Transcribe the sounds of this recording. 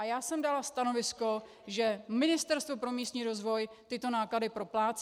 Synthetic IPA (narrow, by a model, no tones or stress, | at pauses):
ajaːsɛmdalast̪ano̞vɪsko̞ | ʒɛmɪnɪst̪ɛɾst̪vo̞pɾo̞miːst̪ɲiːɾo̞zvo̞j | t̪ɪt̪o̞naːkladɪpɾo̞plaːt͡s